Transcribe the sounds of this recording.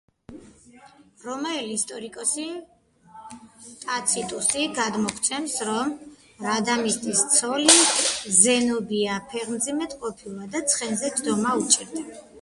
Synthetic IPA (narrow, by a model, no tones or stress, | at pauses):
ɾɔmaɛlist̪ʼɔɾikʼɔsi | t̪ʼat̪sʰit̪ʼusiɡad̪mɔkʰt̪sʰɛnsɾɔm | ɾad̪amist̪ʼist̪sʰɔlizɛnɔbiapʰɛʁmd̪zimɛt̪qʼɔpʰilˠad̪at̪sʰχɛnzɛd͡ʒd̪ɔmaut͡ʃʼiɾd̪ɛba